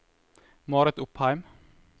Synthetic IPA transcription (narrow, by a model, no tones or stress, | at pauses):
mɑːɾɛt̪ʊphɑɪm